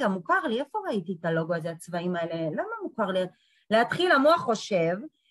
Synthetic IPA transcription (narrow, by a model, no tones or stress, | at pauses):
ɡamukaʁliefo̞ʁaitietalo̞ɡoazeat͡svaimaele̞lamamukaʁli | leat̪χilamuaχːo̞ʃe̞v